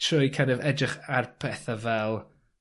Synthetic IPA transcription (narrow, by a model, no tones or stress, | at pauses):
tʰrʊɨjkʰanɪvɛdrɪχarpʰɛθavɛlˠ